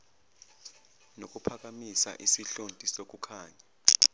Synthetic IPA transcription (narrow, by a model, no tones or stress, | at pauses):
nok̬ʼupʰak̬amisa̰ʔisiɬontʼisok̬ukʰaːɲɛ